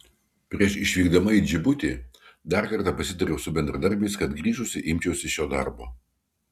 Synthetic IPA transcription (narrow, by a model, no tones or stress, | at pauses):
pʲɾʲiɛʃɪʃʲʋʲiːɡd̪ɐmɐid͡ʒʲɪbʊt̪ʲiːd̪ɑɾkɐɾt̪ɑːpɐsʲɪt̪ɐɾʲɛʊsʊbʲɛnʲd̪ɾɐd̪ɐɾʲbʲɛɪskɐt̪ɡɾʲiːʒʊsʲɪʔɪmʲt͡ʃʲɛʊsʲɪʃʲoːd̪ɑ̰ˑɾbo̰ː